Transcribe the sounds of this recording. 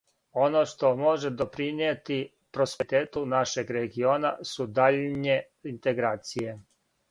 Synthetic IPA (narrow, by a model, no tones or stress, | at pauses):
o̞noʃt̪o̞mo̞ʒed̪o̞pɾiniet̪i | pɾospet̪eːt̪unaʃe̞ɡɾeɡio̞ːna̰sud̪aʎɲe | int̪e̞ɡɾaːt̪sije̞